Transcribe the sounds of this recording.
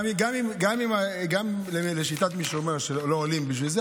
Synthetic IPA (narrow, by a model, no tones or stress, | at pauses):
iɡamimɡamimaɡamleleʃit̪at̪miʃomeʁʃeloolimbiʃ̬vilze